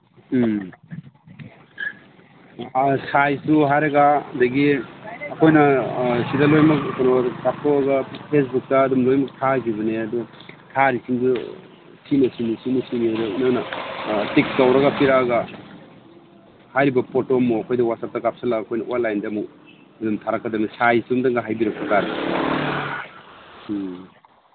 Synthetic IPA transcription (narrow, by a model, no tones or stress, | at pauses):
sajsuɦajɾɐɡadɐɡiɐkʰojnɐsidɐlojmɐkkonokap̚toɐɡɐpʰes̬buk̚tɐːdumlojmɐk̚tʰakiβɐneɐdutʰaɾisiŋdu | sʰinɐsinisimusiniadɐinaŋnɐtik̚skawɾɐɡɐpiɾaɡɐ | hajɾibɐpʰotomːoɐkʰojdɐwat̚sap̚tɐkap̚salaːkʰojnɐʔolːajndɐmu | ɐdumtʰaɾakʰːɐdamisajsumdaŋɡɐɦajbiɾɐk̚pʰɐkaɾ